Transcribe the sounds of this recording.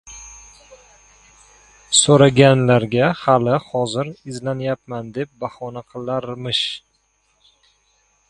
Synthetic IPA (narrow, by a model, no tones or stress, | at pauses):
soɾaɡʲanlaɾɡʲahalɪhɒzɪɾɪzlanjap̚mand̪e̞p̚bahɒnaqʰɨlˠaɾmɪʃ